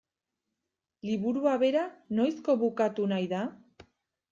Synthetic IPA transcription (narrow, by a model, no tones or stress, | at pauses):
liβuɾuaβe̞ɾano̞jsko̞βukat̪unajða